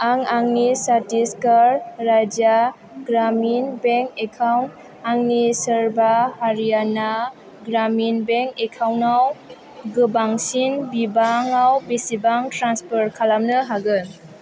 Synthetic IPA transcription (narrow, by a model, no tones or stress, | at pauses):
aŋaŋnisatiskaɾːajd͡ʒa | ɡɾaminbeŋkekʰawnt̚ | aŋnisɯɾbahaɾijana | ɡɾaminbeŋkekʰawnaw | ɡɯbaŋsinbibaŋawbisibaŋtɾanspʰɔɾkʰalamnɯɦaɡɯn